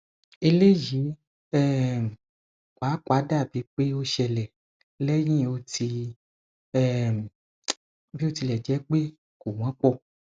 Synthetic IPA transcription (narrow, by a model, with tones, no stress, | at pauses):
e˧le˦ji˨˦ | ɛ˦˨ | kwa˨˦kwa˨˦da˦˨bi˨˦k͡pe˦o˦ʃɛ˧lɛ˨ | lɛ˦j̃ĩ˦˨o˧tʰi˧ | ɛ˦˨ | bi˦o˦˧ti˧lɛ˨d͡ʒɛ˨˦k͡pe˦ | ko˨w̃ã˨˦k͡pɔ˦˧˨